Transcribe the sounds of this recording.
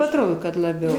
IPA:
ɐtˈroːdoː kɐt lˠɐˈbʲɛʊ

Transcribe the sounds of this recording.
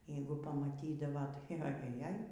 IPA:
ˈjɛɪɡʊ pɐmɐˈtʲiːdɐʋoː tɐɪ ɐ jɛˈjɛj

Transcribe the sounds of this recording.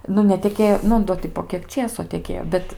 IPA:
ˈnʊ nʲɛtʲɛˈkʲeːjoː ˈnʊ ˈdoː tʲɪ poː ˈkʲiɛk ˈt͡ʃʲeːsoː tʲɛˈkʲeːjoː ˈbʲɛt

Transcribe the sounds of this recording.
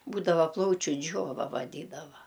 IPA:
ˈbuːdɐʋɐ ˈplˠɐʊt͡ʃʲʊ ˈd͡ʒʲoːʋɐ ʋɐˈdʲiːdɐʋɐ

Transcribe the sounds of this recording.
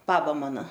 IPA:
ˈbɑːbɐ ˈmɑːnɐ

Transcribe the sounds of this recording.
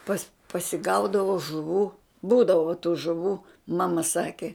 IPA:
pɐs pɐsʲɪˈɡɐʊdɐʋoː ʒʊˈʋuː ˈbuːdɐʋoː tuː ʒʊˈʋuː ˈmɑːmɐ ˈsɑːkʲɪ

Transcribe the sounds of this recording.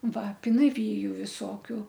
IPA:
ˈʋɐ pʲɪnɐˈʋʲiːjʊ ʋʲɪˈsoːkʲʊ

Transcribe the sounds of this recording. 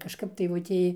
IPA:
kɐʃˈkɐp dɐɪˈʋʊtʲeː

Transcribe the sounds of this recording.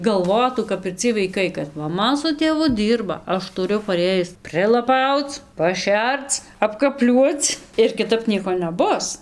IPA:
ɡɐlˠˈʋoːtuː kɐp ɪr ˈt͡sʲiɛj ʋɐɪˈkɐɪ kɐt mɐˈmɐ sʊ tʲeːˈʋʊ ˈdʲiːrbɐ ˈɐʃ tʊˈrʲʊ pɐˈrʲeːjɪs pʲrʲɪlˠɐˈpɐʊt͡s pɐˈʃʲɛrt͡s ɐpkɐˈpʲlʲuɔt͡s ɪr kʲɪˈtɐp ˈnʲiɛkoː nʲɛˈbʊs

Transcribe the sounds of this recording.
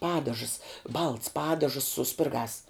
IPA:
ˈpɑːdɐʒəs bɐlˠts ˈpɑːdɐʒəs sʊ ˈsʲpʲɪrɡɑːs

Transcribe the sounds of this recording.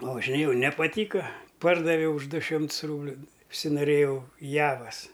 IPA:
pɐʋɐʒʲɪˈnʲeːjɛʊ nʲɛpɐˈtʲiːkɐ ˈpɐrdɐʋʲɛʊ ʊʃ ˈdʊ ˈʃʲɪmts ˈruːbʲlʲʊ ʊʃʲsʲɪnoːˈrʲeːjɛʊ ˈjæːʋɐs

